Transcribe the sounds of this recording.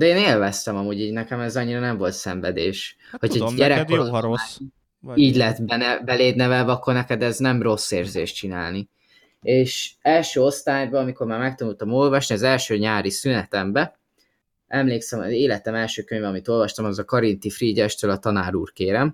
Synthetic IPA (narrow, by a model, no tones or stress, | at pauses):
d̪ɛeːneːlvɛst̪ɛmɒmuːɟiːɟnɛkɛmɛzɒɲːiɾɒnɛɱvo̞lt̪sɛɱvɛd̪eːʃ | ho̞chɒɟɛɾɛkooa | iːɟlɛt̪bɛnɛbɛleːd̪nɛvɛlvɛɒkːo̞rnɛkɛd̪ɛznɛmro̞sːeːrzeːʃt͡ʃina̰ːlni | eːʃɛlʃøːo̞st̪aːjbɒɒmiko̞rmaːrmɛk̚t̪ɒnult̪ɒmo̞lvɒʃniɒzɛlʃøːɲaːɾisynɛt̪ɛmbɛ | ʔɛmleːksɛmɒzeːlɛt̪ɛmɛlʃøːkøɲvɛɒmit̪o̞lvɒʃt̪ɒmɒzɒkɒɾint̪ifriːɟɛʃt̪øːlɒt̪ɒnaːɾuːrkeːɾɛm